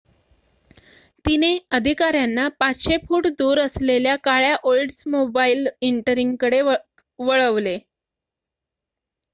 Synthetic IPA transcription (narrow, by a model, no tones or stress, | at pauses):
t̪ineəd̪ʱikaɾjanːapat͡sɕefuːʈd̪uːɾəsleljakaɭjaʔolɖsmobailiɳʈəɾiŋɡkəɽe | ʋəɭəʋle